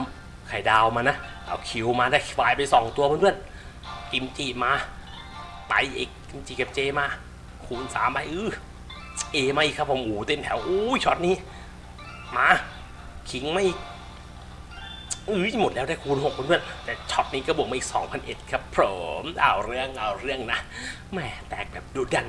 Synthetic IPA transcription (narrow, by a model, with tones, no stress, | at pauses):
a˦m | kʰa˨˩jdaː˧wmaː˧na˦˥˩ʔa̰ː˨˩wkʰi˨˩˦wmaː˧daː˧˩faː˨˩jpa˧jsɔː˨˦ŋt̪u˧ɐbʰnbɯ˥˩ən̚ | ki˨˩˦mt͡ɕiː˨˩maː˧ | t̪a̰˨˦jʔḛː˨˩kki˧˦mt͡ɕiː˨˩ka˨˩p̚t͡ɕeː˧maː˧ | kʰuː˨˩nsa̰ː˨˦mba˧˩jʔɯː˧˩ | ʔeː˧maː˧ʔiː˨˩kʰːa˦˥pʰːoː˨˦mʔuː˨˦t̪e˧mt̪ʰɛː˨˦wʔuː˧˥jt͡ɕʰɔ˦˥t̪̚niː˦˥˨ | maː˧˥ | kʰi˨˦ŋma˧˥ʔiː˨˩k̚ | ʔɯː˧˥˦mo˨˩t̪̚lɛː˦˥wdaː˥˩jkʰuː˧nho˨˩k̚bo˧˦nbɯ˥˩ənt̪ɛː˨˩t͡ɕʰɔ˦˥t̪̚niː˦˥kɔː˥˩bu˨˩ək̚ma˧˥˨iː˨˩sɔ̰ː˩˦ŋpʰa˧nʔe˨˩t̪̚kʰa˦˥pʰːɾoː˨˦mʔa̰ː˧˩wɾɯ˥˩əŋʔaː˨˩wɾɯ˥˩əŋna˦˥ | mɛː˧˩t̪ɛː˨˩k̚bɛː˨˩p̚duː˧da˧˩n